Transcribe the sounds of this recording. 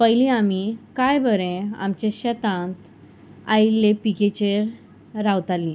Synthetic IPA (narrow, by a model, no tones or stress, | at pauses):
pəjlĩamikajbəɾẽa̰mt͡ɕeɕət̪ãnt̪ | ailːepiket͡ɕeɾː | awt̪alːĩ